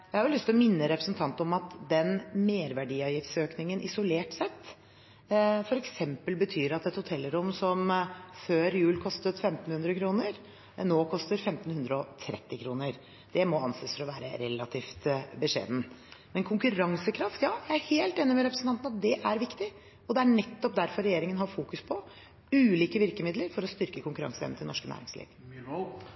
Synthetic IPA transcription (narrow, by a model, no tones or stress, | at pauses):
jæɪhɑɾjʊlʏst̪lɔmɪnːəɾɛpɾəsnt̪ʰɑnt̪ɔmɑt̪d̪ɛnmeːɾʋæɖiːɑːʋjɪft̪søːknɪŋənʔɪsʊleːʈsɛt̪ː | fɔɾɛksɛmpəlbət̪ʰyːɾɑt̪ɛt̪hʊt̪ʰɛlːəɾʊmsɔmføːɾjʉːlkʰɔst̪ət̪fɛmt̪n̩hʉnd̪ɾəkʰɾuːnəɾ | noːkʰɔst̪əɾfɛmt̪n̩hʉnd̪ɾəɔt̪ʰɾɛ̰t̪ːɪkʰɾuːnəɾ | d̪̥ɛmɔɑnseːsfɔɾɔʋæːɾə̰ɾɛlːɑt̪ʰiːft̪bəʂḛːd̪n̩ | mɛnkʰʊŋkʉɾɑŋsəkʰɾɑft̪jɑːjæɪæɾheːlt̪eːnːɪmɛɾɛpɾəsn̩t̪ɑnt̪nɑt̪̚d̪ɛʔæɾʋɪkt̪ɪ | ɔd̪ɛæɳɛt̪ːɔp̚d̪æɾfɔɾːɛjeːɾɪŋənɦɑɾfuːkʉspʰɔ | ʉːliːkəʋɪɾkəmɪd̪ləɾfɔɾɔst̪ʏɾkəkʰʊŋkʉɾɑ̰ŋsəɛ̰nəɪlnɔʂkənæ̰ːɾɪ̰ŋslḭːɡ